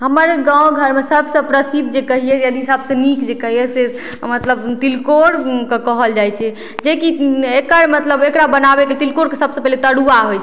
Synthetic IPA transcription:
ɦəməɾɡãw̃ɡʱəɾmesəbsə̃pɾəsid̪̚ʱd͡ʒekəɦijɛjəd̪iɦisabsə̃nikd͡ʒekəɦijɛse | mət̪ləbt̪ilkoɾkekəɦəld͡ʒajt͡ʃʰɛ | d͡ʒekiekəɾmət̪ləbekɾabənabekelt̪ilkoɾkesəbsə̃pɛɦlet̪əɽuaɦojt͡ʃʰ

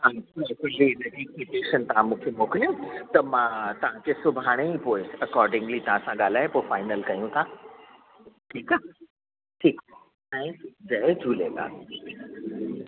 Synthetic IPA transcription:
ãɛkuliɾɐʈikeʈeːʃənt̪ɐɦãmũkʰemoːkljõt̪ɐmãt̪ɐʋ̤ãkesʊbʱaːɽ̃eipoːɪsɐkɔːɾɖɪ̃ŋɡlit̪ɐʋ̤ãsãɡaːl̤aːɦepofaːɪnəlkajũt̪ʰã | ʈʰiːka | ʈʰiːk | ɛ̃ĩd͡ʑɐed͡ʒʱuːlḛla̰ː

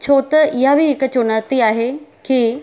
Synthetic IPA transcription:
t͡ɕʰoːt̪ɪɦabʱiɦɪkt͡ɕʊnəɾt̪iaːɦekiː

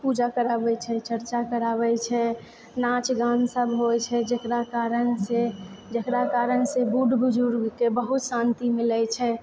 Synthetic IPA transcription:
pud͡ʒakəɾabɛt͡ʃʰɛt͡ʃəɾt͡ʃakəɾabɛt͡ʃʰɛ | nat͡ʃɡãnsəbɦojt͡ʃʰɛd͡ʒekɾakaɾənsed͡ʒekɾakaɾənsebuɖbud͡ʒuɾɡkebəɦut̪sãnt̪imilɛt͡ʃʰɛ

